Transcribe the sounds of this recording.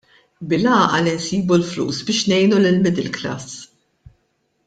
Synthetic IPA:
bɪlɐːʔɐlinsiːbulflṵːsbɪːʃnɛjnulɪlmɪd̪ɪlklɐ̰s

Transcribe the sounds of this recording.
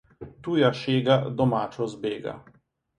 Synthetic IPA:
t̪uːjaʃeːɡad̪ɔmaːt͡ʃɔzbeːɡa̰

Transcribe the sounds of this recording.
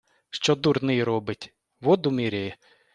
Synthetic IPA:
ʃt͡ʃɔd̪urnɪjɾɔbɪt̪ʲ | ʋɔd̪ʊmʲiɾʲejɛ

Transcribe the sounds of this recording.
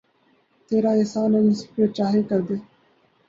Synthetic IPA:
t̪eːɾaːeːsaːnɐnĩːsʊ̥poːt͡ʃaːɦekəɾd̪eː

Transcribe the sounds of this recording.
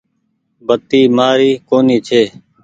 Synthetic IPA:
bət̪iːmaːɾiːkoːniːt͡ʃʰeː

